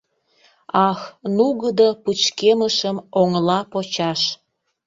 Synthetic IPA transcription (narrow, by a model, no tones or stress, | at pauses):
ɑxnuɣəd̪oput͡ɕkeməʃəmoŋlɑpot͡ɕɑʃ